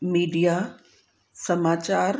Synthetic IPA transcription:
miːɖijaː | sɐmaːt͡ɕaːɾ

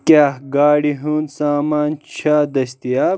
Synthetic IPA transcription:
kaːhɡaːɽiɦuːnsaːmaːnt͡ɕʰaːd̪ɐɕt̪ijaː

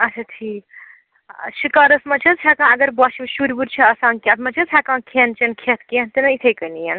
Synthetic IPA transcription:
ɐt͡ʃʰat̪ʰiː | ʃikaːɾɐsmɐt͡ʃʰɐzt͡ʃʰakãːɐɡɐɾbaːʃiʃuɾʲbuɾt͡ʃʰɐɐsãːnkʲat̪mɐt͡ʃʰɐzhʰaːkãːkʰent͡ʃɐnkʰet̪ʰkent̪inɐit̪ʰejkɐnijɐn

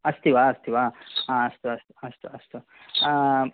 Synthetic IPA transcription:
ɐst̪iʋaɐst̪iʋaãɐst̪uɐst̪uɐst̪uɐst̪u

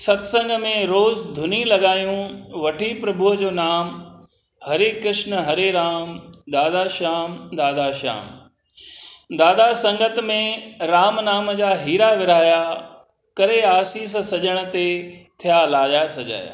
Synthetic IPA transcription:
sɐt̪sɐ̃ŋɡəmẽɾoːzd̪ʱʊnilɐɠaːjũʋɐʈʰipɾɐbʊɦəd͡ʑoːnaːm | hɐɾekɾɪʃnəɦɐɾeɾaːmd̪aːd̪aʃaːmd̪aːd̪aʃa̰ːm | d̪aːd̪asɐ̃ŋɡət̪mẽɾaːmnaːməd͡ʑaːɦiːɾaʋɪɾaːja | kɐɾeaːsiːs̬sɐʄəɽ̃ə̆t̪et̪ʰijalaːʄasɐd͡ʑa̰ːja̰ː

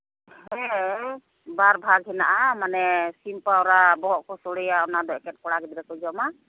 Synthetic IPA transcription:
hɛ | baɾbʱaɡɦɛnaʔamanɛsimpaɔɾabɔʔkɔsɔɽɛjaɔnad̪ɔʔkɛt̚kɔɽaɡɛd̪ɾɛkɔd͡ʒɔma

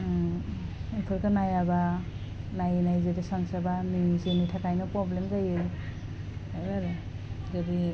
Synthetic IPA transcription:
ipʰɯɾkɯnajaba | najnajzedisaŋsabanizenitʰakʰajnɯpɾɔblemzajɯj | ajbaɾɯ | zadi

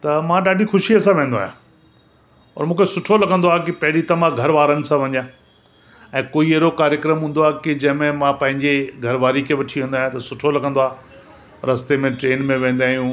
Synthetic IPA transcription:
t̪ɐmãɗaːɖʱixʊʃiɐsãʋẽːnd̪aːɦjã̰ | ɔ̰ːɾmũːkʰesʊʈʰolɐɡə̃nd̪oaːkɪpɐɦɪɾit̪ɐʋãɡʱɐɾʋaːɾənɪ̆sãʋɐɲjãː | ɛ̃ːkoːieːɾokaːɾjəkɾəmɦũːnd̪oaːɦekɪd͡ʑɐ̃ɦɪ̃mẽmãpɐ̃ɦɪ̃ɲd͡ʑeɡʱɐɾʋaːɾikʰeʋɐʈʰiɦẽːnd̪aːj̃t̪ɐsʊʈʰolɐɡʱə̃nd̪oaː | ɾɐst̪emẽʈɾeːnmẽʋẽːn̆d̪aːɦjũ

